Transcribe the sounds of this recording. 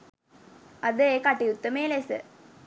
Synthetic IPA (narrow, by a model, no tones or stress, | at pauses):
ɐd̪ekɐʈːijut̪ːəmeːlesɨ̰